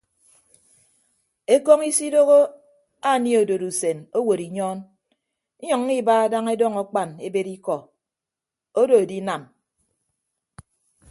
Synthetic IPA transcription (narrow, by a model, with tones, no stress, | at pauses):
e˦kɔ˦ŋi˦si˦do˦ɣo˦ | a˦˨ni˦o˨do˨ɾu˨se˨no˦wo˨ɾi˨ɲɔː˦n˦ | ɲɔ˨ŋː˦i˦baː˦a˦da˦ŋe˦dɔ˦ŋɔ˨k͡pa˨ne˨be˦ɾi˦kɔ˨ | o˦do˨e˨di˦na˨m